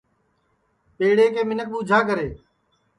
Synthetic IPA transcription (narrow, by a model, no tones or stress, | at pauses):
peːɽeːkeːmɪnək̚ɓũːd͡ʒʱaːkəɾeː